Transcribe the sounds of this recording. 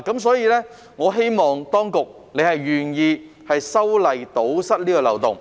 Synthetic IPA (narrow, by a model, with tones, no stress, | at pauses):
kɐ˨˥msɔː˨˥jiː˨˧lɛː˥ | ŋɔː˨˧ɦe˥jmɔː˨ŋt̪ɔː˥ŋkʊ˨k̚ | ne˨˧jhɐ˨jɥyː˨njiː˨˧ | hɐ˨jsɐ˥wlɐ˨˩jt̪o˨˥wsɐ˥t̚liː˥kɔː˧lɐ̰˨˩wt̪ʊ˨˩ŋ